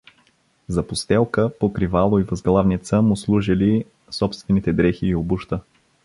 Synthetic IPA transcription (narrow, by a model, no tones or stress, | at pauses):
zɐpʊst̪ɛlˠkəpokɾivalˠoivɐzɡlˠavnit̪səmʊslˠuʒili | sɔpst̪vɛnit̪ɛd̪ɾɛxiːobuʃt̪ə